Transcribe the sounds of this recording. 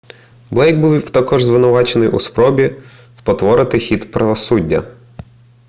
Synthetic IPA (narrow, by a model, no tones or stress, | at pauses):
blˠɛjɡ̚buwwt̪ɐkɔʒzʋɪnʊʋɑt͡ʃenɪjʔṵspɾɔbʲi | spɔt̪ʋɔɾɪt̪ɪxʲit̪pɾɐʋɔsudʲːɐ̰